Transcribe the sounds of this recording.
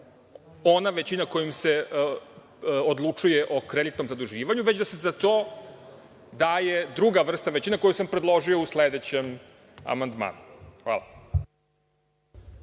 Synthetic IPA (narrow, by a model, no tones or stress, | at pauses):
o̞naʋet͡ɕinakojimse | od̪lˠut͡ʂujeʔo̞kɾed̪it̪no̞mzad̪uʒiːʋaɲuʋe̞d͡ʑd̪asezat̪oː | d̪ajed̪ɾuɡaʋr̩st̪aʋet͡ɕinako̞jusampɾed̪lˠo̞ʒio̞usled̪et͡ɕem | a̰mand̪ma̰ːnuxʋa̰ːlˠa̰